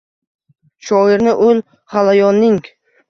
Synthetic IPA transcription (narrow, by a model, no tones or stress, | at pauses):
ʃɒɪɾnɪʔʊl | halajɒnːɪŋ